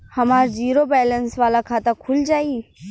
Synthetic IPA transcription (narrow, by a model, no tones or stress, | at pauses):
həmaːɾd͡ʒiːɾobɛːlənsʋaːlakʰaːt̪əkʰʊld͡ʒaːiː